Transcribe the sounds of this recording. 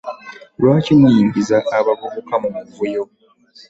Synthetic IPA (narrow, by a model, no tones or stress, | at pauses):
lwaːcimujiːmbizaʔːβavuβukamumuvujo